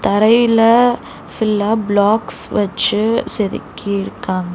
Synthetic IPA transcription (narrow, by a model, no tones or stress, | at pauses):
t̪ɐɾɐjɪlɐ | fɪlːaːblaːksʋɐt͡ʃːɯsɛɾɪ̰kːiɪɾɯkːaːŋɡɐ